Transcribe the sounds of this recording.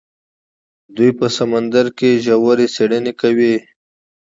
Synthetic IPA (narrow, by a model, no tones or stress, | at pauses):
d̪ujpəsamand̪əɾkeʒawaɾiseɽənekawi